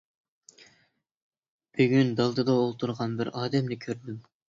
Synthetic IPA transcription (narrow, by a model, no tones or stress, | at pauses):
b̥yɡʲynd̪ɑlˠd̪ɨd̪ɑolˠt̪ʰuɾʁɑnbɪɾɑːd̪ɛmnɪkʲʰøɾd̪ym